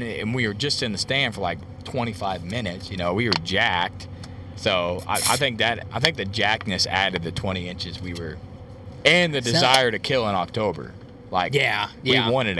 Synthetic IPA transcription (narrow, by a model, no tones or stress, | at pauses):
ɨ̰̃nwiə˞d͡ʒʌstɨ̃nðɨstæ̃nd̥fə˞laɪk̚ | tʰw̥ɛ̃ɾ̃ifaɪvmɪ̃nɨtsjɨnoʊwiwə˞d͡ʒæk̚t̚ | soʊa̰ɪʔa̰ɪθɪ̃ŋk̚ðɨɾa̰ɪθɪ̃ŋk̚ðɨd͡ʒæk̚nɨsæ̰ɾɨd̪̚ðɨtʰw̥ɛ̃ɾ̃iɪ̃nt͡ʃɨzwiwə˞ | ɨ̃nðɨdɨzaɪə˞ɾɨkʰɪlˠə̃ñɑk̚tʰoʊbə̰˞ | laɪkjæwiwɑ̃ɾ̃ɨɾ